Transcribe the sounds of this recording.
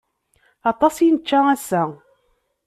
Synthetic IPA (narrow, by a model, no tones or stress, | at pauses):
ɑt̪ˤɑsˤjnət͡ʃːææsːæ